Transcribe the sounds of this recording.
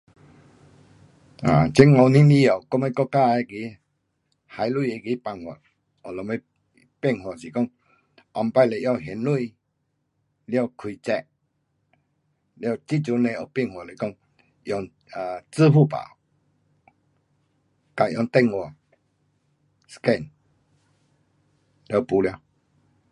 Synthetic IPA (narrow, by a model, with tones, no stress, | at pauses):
a̰˨t͡ɕe˦ŋɔ˧wnĩ˦li˦a˨˩˨kɔ˦me˧˦kɔ˦˧˨ka˦˧a˧˨ɡi˨˦ | ha˨˧jlwu˧˨e˧ɡi˨˧˦pa˧˨ŋhwɔ̰˨ | ɔ˨lɔ˨me˧˦ | pɛ˥˧˨ŋhwɔ˨˩si˨˩kɔ˥˧˨ŋ | ʔɔ˨˧˨mpa˧jle˨ʔja˥˧˨ɦe˨˦nlu˥˧i | lja˥˧˨kʰwi˨t͡sɛ˧˨ | lja˧˨t͡ɕi˦˨t͡ɕu˧˦nẽ˧˨o˨˩pi˥˧˨ŋhwɔ˨le˨kɔ˧˨ŋ | jɔ˧ŋ | a˨t͡sɨ˦pʰu˥˧˨pa̰˨ | ka˨ʔjɔ˨˧˨ŋt̪ɛ˥˧˨ŋwɔ˨ | skɛ˧˨n | lja˧˨pu˧lja˧w